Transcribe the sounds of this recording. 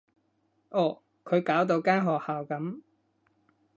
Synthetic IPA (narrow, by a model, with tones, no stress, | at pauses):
ʔɔː˨˩ | kʰɵ˨˧ɥkaː˨˥wt̪o˧wkaː˥nɦɔː˨k̚haː˨wkɐ˨˥m